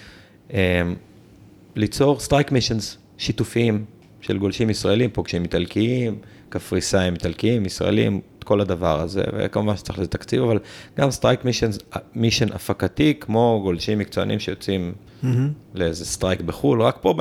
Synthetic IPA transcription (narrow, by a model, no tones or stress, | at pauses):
em | lit͡so̞ʁstʁajkmiʃenz | ʃit̪ufiim | ʃelɡo̞lʃimisʁaelimpoɡʃimit̪alkiim | kafʁisaimit̪alkiimisʁa̰elḭmtko̞lad̪avaʁaze̞̰vḛkamuvanʃe̥t͡saχlazet̪akt͡sivavalɡ̥amst̪ʁajkmiʃenzmiʃenʔa̰fakat̪ikmo̞ɡo̞lʃimːikt͡soa̰nʔḭmʃejot͡sim | leezest̪ʁajkbeχulʁakpob